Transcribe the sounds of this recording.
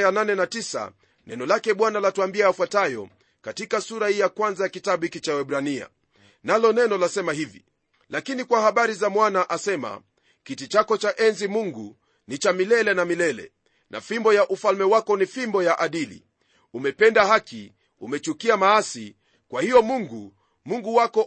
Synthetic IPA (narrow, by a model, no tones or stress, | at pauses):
jananɛnatisa̰ | nɛnɔlakɛɓwanalatuambiaːfwatajɔ̰ | katikasuɾahijakwanzajakitaɓuhikit͡ʃawɛɓɾania̰ | nalɔnɛnɔlasɛmaɦivḭ | lakinikwahaɓaɾizamwanaʔasɛma̰ | kitit͡ʃakɔt͡ʃaʔɛnzimuŋɡu | nit͡ʃamilɛlɛnamilɛlɛ̰ | na̰fimbɔjaʔufalmɛwakɔnifimbɔjaʔaɗilḭ | umɛpɛndahaki | umɛt͡ʃukiamaasi | kwahiɔmuŋɡu | muŋɡuwakɔ